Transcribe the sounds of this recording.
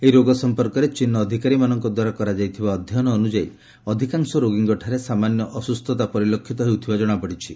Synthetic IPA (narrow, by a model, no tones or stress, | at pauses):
eiɾoɡɔsɔmpɔɾkɔɾet͡ʃinːɔːd̪ʱikaɾimanɔŋkɔd̪waɾakɔɾad͡ʒajt̪ʰibaɔd̪ʱjɔnɔːnud͡ʒai | ɔd̪ʱikaŋsɔɾoɡiŋɡɔʈʰaɾesamanjɔʔɔsust̪ʰɔt̪apɔɾilokʰːit̪ɔɦewt̪ʰibad͡ʒɔɽ̃apɔɽ̤it͡ʃʰi